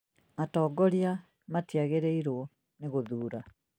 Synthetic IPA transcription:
atɔːɡɔɾia | matiaɣeɾeiɾwɔ | neɣoðuːɾa

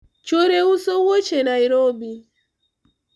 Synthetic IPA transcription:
t͡ʃoɾeusowot͡ʃenaiɾobi

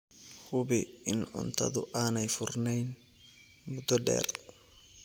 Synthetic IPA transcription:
hʊβɪɪnʕʊ̰nt̪ʰɐ̰ðʊʔaːnɛjfʊrnɛjn | mʊd̪ɔɖɛ̰ːr

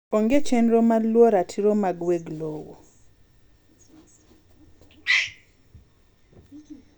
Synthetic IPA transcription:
oŋɡet͡ʃenɾomalwɔɾatʰiɾomaɡweɡlowo̰

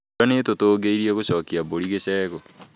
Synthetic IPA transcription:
anetotoːɡeiɾieɣoɕɔːkiaβoɾiɣesɛːɣo

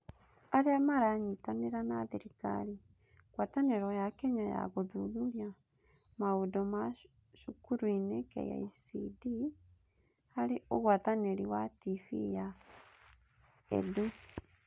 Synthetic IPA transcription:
aɾeamaɾaɲitaneɾanaðeɾika̰ɾi | ɣwataneɾɔjakɛɲaja̰ɣoðuðuɾja | maodɔma | ʃukuɾuinekɛ̰ja̰isidi | haɾeoɣwataneɾiwatifḭja | ḛdu

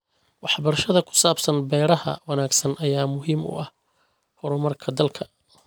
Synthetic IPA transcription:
wɑħbɐrʃɐðɐkʰʊ̥saːbsɐnbɛːɾɐɦɐ̰wɑnaːɡsɐnʔɐjaːmʊɦiːmʊ̰ʔɐh | hɔɾʊmɐrkʰɐd̪ɐlkʰɐ

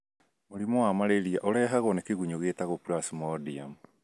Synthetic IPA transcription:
moɾimɔwamaɾeɾiaʔɔɾɛːɦaɣɔnekeɣuɲoɣetaɣopuɾasimɔdiam

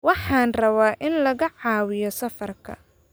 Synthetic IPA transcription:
wɑħɑːnrɐβaːʔɪnlɐɣɐʕɑːwɪjɔsɐfɐrkʰɐ̰

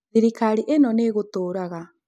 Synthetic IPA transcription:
ðiɾikaɾiʔenɔneɣotoːɾaɣa

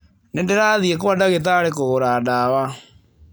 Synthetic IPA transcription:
nendeɾaðiɛk̬owadaɣet̬aɾekoɣoɾadawa

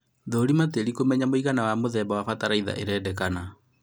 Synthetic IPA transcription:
ðoːɾimateɾikomɛɲamoiɣanawamoðɛːbawafataɾaiða̰ʔeɾɛːdɛkana

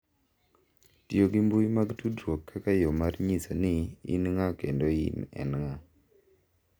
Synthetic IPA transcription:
tioɡimbujmaɡtudɾwokːakajomarɲisanɪḭnŋakendoḭnɛ̰nŋa

